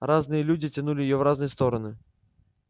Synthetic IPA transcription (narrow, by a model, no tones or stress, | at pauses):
ɾaznɨjɐlʲudʲit͡sʲɐnulʲɪjjɔvraznɨjst̪ɔɾɐnɨ